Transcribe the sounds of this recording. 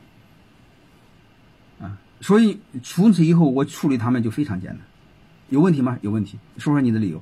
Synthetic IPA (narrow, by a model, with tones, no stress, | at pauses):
ə˧˩ | swɔ˧˥i˧˩ʈ͡ʂʰu˧˥t͡sʰɹ̩˧˥i˨˩xo˥˩ʊwɔ˨˩ʈ͡ʂʰu˥˩ly˧˩t̪ʰa˥mə˨nt͡ɕo˥˩ʊfe˥ɪʈ͡ʂʰɑ˧˥ŋt͡ɕjɛ̰˥nt̪a˥˦n | jo˨˩ʊwə˥˩nt̪ʰi˧˥mɐ˧jo˨˩ʊwə˥˩nt̪ʰi˧˥ʂ̩˥˧ʂ̩˥ni˨˩d̪ə˧li˨˩jo̰˧˥ʊ